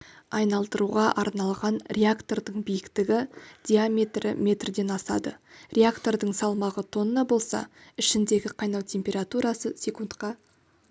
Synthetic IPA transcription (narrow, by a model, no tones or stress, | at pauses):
ɑjnɑlˠd̪əɾuʁɑʔɑɾnɑlˠʁɑnrʲeakt̪o̞rd̪əɴbijɪkt̪ɪɡʲɪd̪̥ʲiamʲe̞t̪rɪ̰mʲe̞t̪rd̪e̞nɑsɑ̰d̪ərʲe̞akt̪o̞ɾd̪əɴsɑlˠmɑʁət̪ʰo̞nənɑbo̞lˠsɑ̰ɪʃɪnd̪e̞ɡʲɪqʰɑjnɑwt̪ʲʰe̞mpʲe̞ɾat̪uɾɑsəsʲe̞kunt̪qɑ